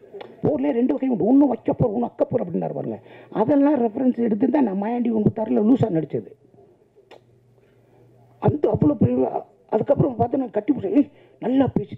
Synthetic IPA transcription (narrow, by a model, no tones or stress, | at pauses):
poːɾleːɾɛɳɖɯʋɐɣɐjʊɖɯɔnːɯʋɐkːɐpoːɾɔnːɯ̃ɐkːɐpːoːɾɐpːɐɽɪnna̰ɾɯpːa̰ːɯŋɡɐ̰ɐðɐllãːɾɛfɐɾɛnsɛɽɯt̪̬ːɯnt̪ãːnãːmajaːɳɖikɔɳbɯt̪ːaːɾɐlːɐluːsaːnɐɽɪt͡ʃːɐðɯ | ɐnd̪ɐɐʋːɐɭoːpɾ | ɐðɯkːɐpːɯɾɐ̃ɐpaːɾt̪ɯnaŋɡɐkɐʈːipːʊsɐe | nɐlːaːpeːt͡ʃː